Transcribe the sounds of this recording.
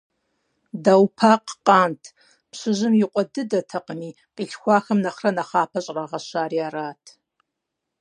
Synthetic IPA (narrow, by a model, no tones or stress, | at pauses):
dawpʰaqʼqʼaːntʰ | pʰɕɨʒɨmjɪqʷʼɔdɨdɐtʰɐqʼni | qʼiɬxʷaːxɐmnaχrɐnaχaːpʰɐɕʼraʁɐʃaːriaraːtʰ